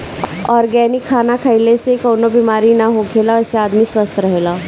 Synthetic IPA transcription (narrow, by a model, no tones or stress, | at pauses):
ɔːɾɡɛːnɪkʰːaːnakʰəɪlesekoːnobimaːɾinaɦoɡʰeːlaɛseaːd̪miswəst̪ʰɾɐɦeːlaː